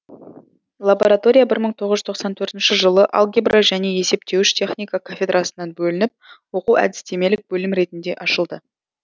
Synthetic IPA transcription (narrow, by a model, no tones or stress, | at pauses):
lˠabo̞ɾat̪o̞ɾʲijabɪɾməɴt̪ʰo̞ʁəzʒʏ̥zt̪ʰo̞qsɑnt̪ʰɵɾt̪ɪnʃɪʒəlˠəʔa̰lˠɡʲebrʔaʒæne̞je̞se̞pt̪ʰe̞wɪʃt̪ʲʰe̞χnijkakʰofʲe̞d̪rʔasənɑnbɵlɪnɪp̚wo̞quwæ̰d̪ɪ̥st̪e̞me̞lɪk̚bɵlɪmɾe̞t̪ɪnd̪e̞ʔɑʃəlˠd̪ə